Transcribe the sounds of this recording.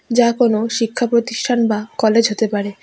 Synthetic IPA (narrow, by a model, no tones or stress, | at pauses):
d͡ʑakonoʃikʰːapɾot̪iʃʈʰanbakɔled͡ʑɦot̪epaɾe